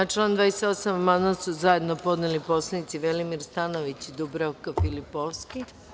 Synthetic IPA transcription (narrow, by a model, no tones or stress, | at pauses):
at͡ʃlˠand̪vʋaːjeset̪o̞samamanasuzaje̞d̪nopo̞d̪nelipo̞slˠenit̪siʋelimiɾst̪anoʋit͡ɕid̪ubɾokafilipoʋski